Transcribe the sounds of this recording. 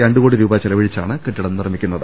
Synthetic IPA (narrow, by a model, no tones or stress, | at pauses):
ɐɳɖɨɣoːɽiɾuːbaːt͡ɕilɐʋiɻit͡ɕːaːɳɨkiʈːiɽɐnːɨrɐmikʲːunːɐðɨ